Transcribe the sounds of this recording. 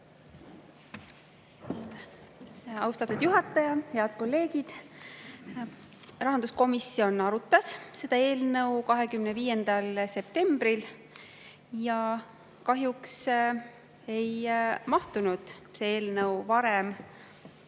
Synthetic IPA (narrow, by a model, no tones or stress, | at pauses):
ɑ̰wst̪ɑt̪ːˑud̪̥juɦɑt̪ːˑɑjɑhe̞ɑd̪̥̚ko̞lːe̞ːɡid̪̥ | rɑɦɑnd̪̥usko̞misːio̞nɑɾut̪ːˑɑsse̞d̪̥ɑe̞ːlnɤwkɑɦe̞kymneviːje̞nd̪̥ɑlse̞pt̪e̞mbɾil | jɑ | kɑɦjuks | e̞jmɑht̪unud̪̥see̞ːlnɤwvɑɾem